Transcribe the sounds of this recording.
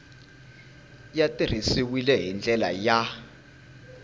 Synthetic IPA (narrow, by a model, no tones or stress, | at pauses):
jatʼir̤isiwilɛɦind͡ɮɛla̰ja